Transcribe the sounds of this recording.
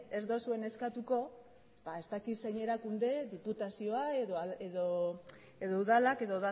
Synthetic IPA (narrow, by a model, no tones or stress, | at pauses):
ezd̪o̞sue̞ne̞skat̪uko̞ | bae̞zt̪akiseɲe̞ɾakund̪e̞ðiput̪asio̞aeðoeðo | e̞ðouðalake̞ðoða